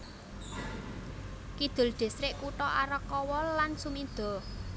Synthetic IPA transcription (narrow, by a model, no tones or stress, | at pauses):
kid̪̥ʊ̤lɖ̪̥e̤sɾɪʔkuʈɔʔaɾəkːɔwɔlansumid̪̥ɔ̤